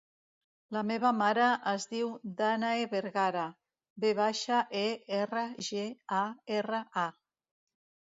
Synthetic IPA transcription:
lameβamaɾaʔəzðiwd̪anaeβeɾɣaɾa | beβaʃaʔeerəʒeaerəa

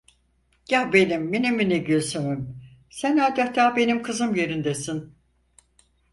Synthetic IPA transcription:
jahbe̞nimːenimineɟøsemimsænaːd̪aht̪ʰaːbe̞nimkʰɯzɯmje̞ɾind̪esin

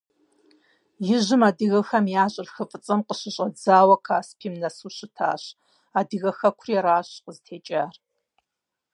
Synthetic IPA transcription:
jɪʑɨmaːdɨɣɐxɐmjaːɕʼɪrxɨfʼɨt͡sʼɐmqəɕɪɕʼɐd͡zaːwɐkʰaːspʰiːmnɐsuːɕɪtʰa̰ːɕ | aːdɨɣɐxɐkʷʰʊriɛɾaːɕqəztʰeːt͡ʃʼaːr

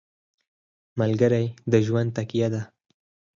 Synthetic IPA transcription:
malɡəɾajd̪əʒwan̚t̪akijad̪a

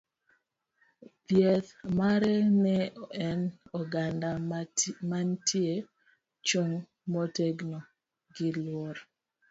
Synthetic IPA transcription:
pjɛðmaɾɛnɛɛnɔɡandamantʰje | t͡ʃoŋ | moteɡno | ɡɪlwɔɾ

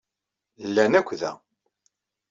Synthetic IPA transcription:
lːænækʷːðæ̰

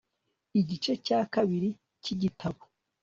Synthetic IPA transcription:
iɟit͡ʃe̞cakaβiɾi | ciɟitʰaβo

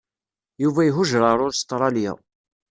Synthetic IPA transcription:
juvæjɦʊʒɾˤɑɾˤʊɾst̪ɾˤɑlja̰

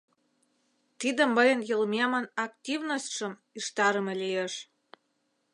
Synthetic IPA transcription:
t̪id̪ə̆mːɤjə̆njəlmʲemənɑkt̪ʲivnosʲt̪ʲʃə̆m | iʃt̪ɑɾə̆mĕlijeʃ

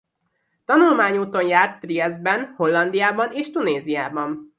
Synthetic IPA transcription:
t̪ɒnulmaːɲuːt̪o̞njaːrt̪ːriɛz̚bɛnho̞lːɒnd̪ijaːbɒneːʃt̪uneːzijaːbɒn

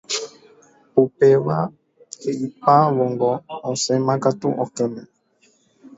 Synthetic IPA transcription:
pupɛwa | eipaβɔŋɡɔɔsɛ̃mãkatṵʔɔkɛmɛ̃

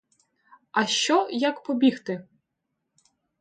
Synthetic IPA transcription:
ɐʃt͡ʃɔjakpɔbʲixt̪ɪ

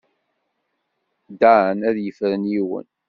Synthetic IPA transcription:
d̪aʕənæðjəfɾənjiwə̰n

